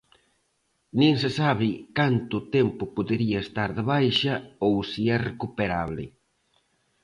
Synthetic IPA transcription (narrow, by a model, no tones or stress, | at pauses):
nĩŋsɪsaβ̞ɪkant̪ʊt̪ɛmpʊpoðeɾiɐest̪aɾðeβajʃɐowsiɛrekupeɾaβlɪ̰